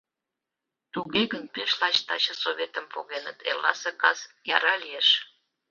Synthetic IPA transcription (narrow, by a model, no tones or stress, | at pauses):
t̪uɣeɣənpeʃlɑt͡ɕt̪ɑt͡ɕəsoβet̪əmpoɣenə̰t̪ḛlːɑ̰sekɑsjɑ̰ɾɑlieʃ